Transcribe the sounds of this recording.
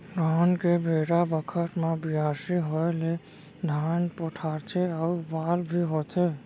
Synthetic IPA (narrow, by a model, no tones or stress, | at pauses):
ɾankebʱeɾabəkʰət̪mabiasiɦɔjle | d̪ʱaːnpɔʈʰaɾt͡ʃʰeaubalbʱiɦot̪ʰe